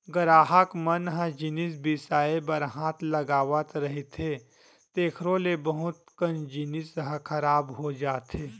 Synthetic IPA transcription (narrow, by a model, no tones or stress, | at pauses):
ɡɐɾaːɦəkmɐnɦəd͡ʒɪnɪs̬bɪsaːebɐɾɦãːt̪ʰlɐɡaːʋət̪ɾɐɦet̪ʰeː | t̪eːkʰɾõlebɐɦʊt̪kənd͡ʒɪnɪsɦəkʰɐɾaːbɦod͡ʒaːt̪eː